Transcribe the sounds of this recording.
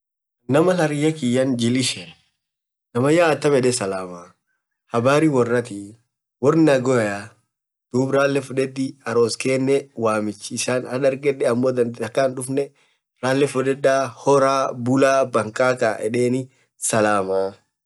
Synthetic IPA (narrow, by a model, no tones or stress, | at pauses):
nɐmɐlɐɾɪjɐkɪjɐnd͡ʒɪlɪʃɛ | nɐmɐjaːt̪ːɐmɛᶑɛsɐlaːmaː | hɐbaːɾiwɔrːɐt̪i | wɔrnnɐɡɔɐja | d̪̥uːbɾaːlːɛfʊᶑɛd̪ɪɐɾoːskeːnːɛwaːmɪt͡ʃːɪːsaːnhɐᶑ̪ɐɾɡɛᶑɛɐmːoːd̪ɐnd̪ɐkːanᶑʊfnɛ | ɾaːlːɛfʊᶑɛdːaːhɔɾaːbʊlaːbɐŋkʼaːkaːʔɛᶑeːnɪ | sɐlaːmaː